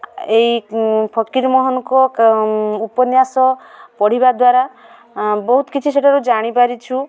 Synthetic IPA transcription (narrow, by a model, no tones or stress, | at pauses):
ejpʰɔkiɾmɔɦɔnɔkɔ | upɔnjasɔpɔɽ̤ibad̪waɾa | bɔɦut̪ɔ̥kit͡ʃʰiseʈʰaɾud͡ʒaɽ̃ipaɾit͡ʃʰu